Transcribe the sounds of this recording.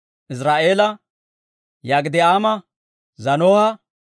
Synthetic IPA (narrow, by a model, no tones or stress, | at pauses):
ʔɪsɾaːʔeːlɐ | jaɡd̪ɪaːmɐ | zɐnoːhɐ